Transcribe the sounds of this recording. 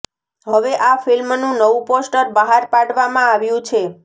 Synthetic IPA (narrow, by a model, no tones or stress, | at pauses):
ɦəʋeʔafilmnũnəʋũposʈəɾbəɦaɾpaɽʋamãaʋjũt͡ʃʰe